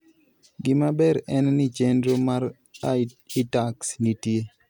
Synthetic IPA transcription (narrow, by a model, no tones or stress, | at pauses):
ɡɪmabɛɾɛnnit͡ʃendɾomaɾ | aitaksnitje